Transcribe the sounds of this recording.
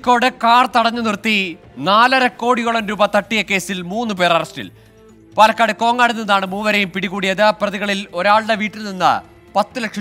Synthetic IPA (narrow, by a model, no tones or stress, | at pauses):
kːo̞ːɽɨkaːrt̪ɐɽɐɲːɨnirt̪ːi | naːlɐɾɐkːo̞ːɽiɣoɭɐmɾuːbɐt̪ɐʈːijɐke̞ːsilmuːnːɨpeːrɐrɐsʈḭl | paːlɐkːaːɽɨko̞ːŋːaːɽunːinðaːɳɨmuːʋɐɾejumpiɽiɣuːɽijɐðɨprɐðiɣɐɭiloɾaːɭɽeʋiːʈːilninːɐ̰ | pɐt̪ːɨlekʂɐ